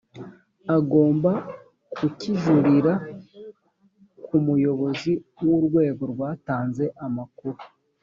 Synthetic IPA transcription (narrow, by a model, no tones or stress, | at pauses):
aɡo̞ːmba | kuciʒuɾiɾa | kumujo̞βo̞ziwuɾɡwe̞ːɡo̞ɾɡwaːtaːnze̞ʔamakuɾu